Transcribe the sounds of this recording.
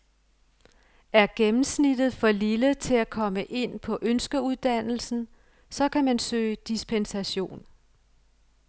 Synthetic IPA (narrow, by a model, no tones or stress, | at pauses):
æɐɡ̥emm̩snid̥ð̩ˠfɒ̽lilət͡sʰe̝lækʰɒ̽məʔe̝n̰pʰɒ̽ʔønsɡ̥ɐuðˠd̥æn̰l̩sn̩ | sɒ̽kʰæmænsø̰ːɪd̥isb̥ʰensæɕo̝̰ːn